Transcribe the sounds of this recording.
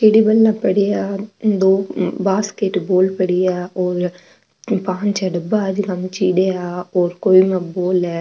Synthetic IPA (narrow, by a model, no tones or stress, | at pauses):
t͡ʃiːɽibəlːãːpəɽijaːd̪oːbaːskeːʈboːlpəɽiaːɔːɾ | pãːɲt͡ʃɛɖəbaəd͡ʒkəmt͡ʃiːɽeːaːoːɾkoːimãboːlɛː